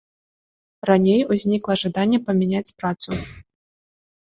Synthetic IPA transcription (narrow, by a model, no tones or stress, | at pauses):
ranʲejuzʲnʲiklˠɐʐad̪anʲːɛpɐmʲɛnʲat͡sʲpɾat̪su